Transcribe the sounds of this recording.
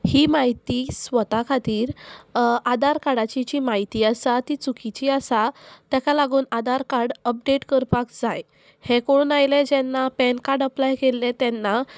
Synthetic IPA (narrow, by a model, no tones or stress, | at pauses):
hiːmaɦit̪isʋət̪akʰat̪iːɾ | ad̪aɾkaɽat͡ɕit͡ɕimaɦit̪iəsat̪it͡sukit͡ɕiasat̪jakalaɡuːnad̪aɾkaɾɖəp̚ɖeʈkəɾpakd͡zaj | hekoɽuːnajled͡ʑɛnːapɛnkaɾɖəplajkelːet̪ɛnːa